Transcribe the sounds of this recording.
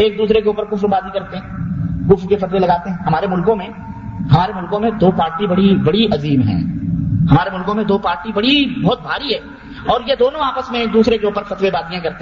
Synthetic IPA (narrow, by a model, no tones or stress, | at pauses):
eːk̚d̪uːsɾekeuːpəɾkʊfɾbaːd̪ikɐɾt̪eɦɛ̃ːkʊfɾkefɐt̪welɐɡaːt̪eɦɛ̃ɦɐmaːɾemʊlkõmẽ | ɦɐmaːɾemʊlkõmẽd̪oːpaːɾʈibɐɽibɐɽiʔɐziːmɦɛ̰̃ːhɐmaːɾemʊlkõmẽd̪oːpaːɾʈibɐɽibɔːt̪̚bʱaːɾiɦɛː | ɔːɾjed̪oːnõaːpəsmẽkd̪uːsɾekeuːpəɾfɐt̪webaːd̪ijãkɐɾt̪eɦ